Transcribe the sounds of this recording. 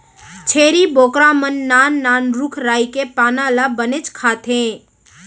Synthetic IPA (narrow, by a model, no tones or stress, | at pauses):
t͡ʃʰeːɾiboːkɾamənːaːnːaːnɾukʰɾaːikepaːnalabənet͡ʃkʰaːt̪ʰẽ